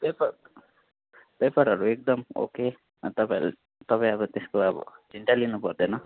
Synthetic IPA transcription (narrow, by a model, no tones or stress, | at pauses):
bepa | pepaɾɦʌɾuek̚d̪ʌmo̰ke | t̪ʌpaj̰l | t̪ʌpaĩʌbʌt̪eskoʌbʌ̰d͡zʱiɳʈalinupʌrd̪enʌ